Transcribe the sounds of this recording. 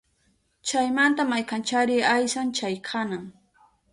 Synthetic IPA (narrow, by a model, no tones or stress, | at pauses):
t͡ʃajmant̪amajkant͡ʃaɾɪajsant͡ʃajkʰanaŋ